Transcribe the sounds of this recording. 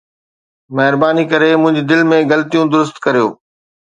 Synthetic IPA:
mɐɦɪɾbaːnikɐɾemʊ̃ɦɪ̃ɲd͡ʑid̪ɪlmẽɡɐlət̪ijũd̪ʊɾʊst̪kɐɾijo̰ː

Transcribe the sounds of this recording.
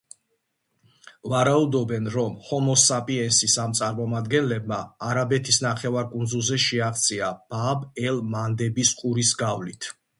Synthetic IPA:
vaɾaud̪ɔbɛnɾɔmhɔmɔsapʼiɛnsisamt̪sʼaɾmɔmad̪ɡɛnlɛb̚maːɾabɛt̪ʰisnaχɛvaɾkʼund̪zulˠzɛʃɛaʁt̪sʼiab̥abɛlmand̪ɛbiskʼuɾisɡavlit̪ʰ

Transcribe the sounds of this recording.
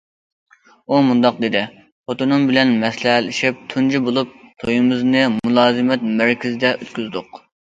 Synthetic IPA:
umund̪ɑqd̪ed̪ɪ | pot̪onɨmbɪlɛnmɛslɛlɪʃip̚t̪ʰund͡ʒibolˠup̚t̪ʰojumɨznɨmulˠɑːzɨmɛt̪mæɾkʲizɪd̪ɛʔøt̪kʲyzd̪ʊq

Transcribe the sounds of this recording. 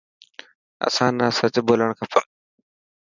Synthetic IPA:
ə̰sãːnaːsət͡ɕboːləɽ̃kʰəpən

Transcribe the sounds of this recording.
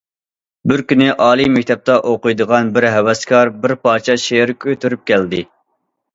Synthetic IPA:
bɪɾkʲynɪʔɑːlˠimɛkʲt̪ʰɛp̚t̪ʰɑʔoqʊjd̪əʁɑnbɪɾɦɛwɛskʰɑɾbɪɾpɑːt͡ʃʰɛʃeɾkʲʰøt̪ʰyɾyp̚kʲæld̪ɪ

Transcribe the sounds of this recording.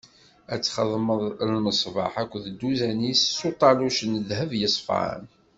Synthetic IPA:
æt͡sːχəðˤməðˤlməsˤvɑ̰ħækʷːðd̪ːuzænisːut̪ˤɑluʃənðhəvjəsˤfə̰n

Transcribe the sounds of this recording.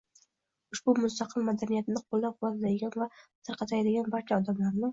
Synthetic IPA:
ʊʃbʊmʊst̪ʰɑqʰɨlˠmad̪anijat̪ɪnɪqʰolˠːap̚wɒd̪ad̪ad̪ɪɡʲanvat̪ʰɨɾqʰɑt̪ʰajd̪ɪɡʲanbaɾt͡ʃʰaɒd̪amlaɾnɪ

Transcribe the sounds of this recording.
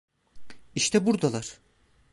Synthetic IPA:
iʃt̪ʰɛbuɾd̪alˠaɾ̥

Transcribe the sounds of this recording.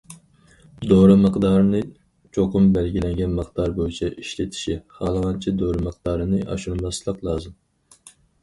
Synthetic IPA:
d̪oɾɨmɨqd̪ɑːɾɨnɨ | t͡ʃʰoqʰʊmbɛlɡʲilɛŋɡʲɛnmɨχd̪ɑɾbojit͡ʃʰɛʔiʃlɪt̪ʰi̥ʃiχɑːlˠʁɑnt͡ʃʰid̪oɾɨmɨq̚d̪̥ɑːɾɨnɨʔɑ̰ʃunmɑslˠəqlˠɑːzɨm

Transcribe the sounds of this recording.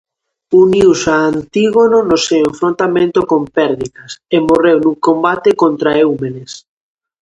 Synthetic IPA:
uniwsaːnt̪iɣononoseweɱfɾõnt̪amẽnt̪okompɛɾðiðɐsemorewnukombat̪ekont̪ɾaewmenes

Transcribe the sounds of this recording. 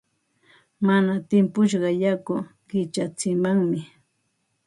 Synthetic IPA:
manat̪ɪmpʊʃɢɑjakʊɢɪt͡ʃat͡sɪmaŋmɪ

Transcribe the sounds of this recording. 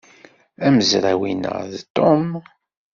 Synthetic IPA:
æməzɾæwinə̰ðt̪ːom

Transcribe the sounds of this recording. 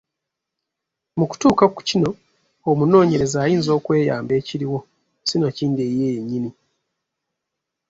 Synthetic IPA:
muku̥tuːkaku̥cino̞ | omuno̞ːɲe̞ɾe̞zaːjiːnzo̞ːkwe̞ːja̰ːmbe̞ːciɾiwo̞ | sinaciːndeːjeɲːini

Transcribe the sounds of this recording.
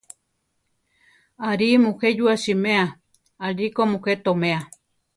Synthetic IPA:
aɾimũhed͡ʒuaʃimẽa | aɾikomũhet̪omẽa

